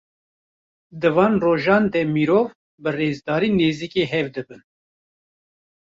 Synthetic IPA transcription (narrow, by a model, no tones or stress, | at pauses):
d̪ɨvɑːnroːʒɑːnd̪ɛmiːɾoːv | bɨreːzd̪ɑːɾiːneːziːkeːɦɛvd̪ɨbɨn